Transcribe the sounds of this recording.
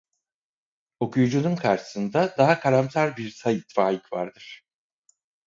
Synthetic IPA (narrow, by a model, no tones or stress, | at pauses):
o̞kʰujd͡ʒununkʰaɾʃɯ̥sɯnd̪ad̪aɦakʰaɾamt̪ʰaɾbiɾsajit̪faːjicva̰ɾd̪ɯɾ̥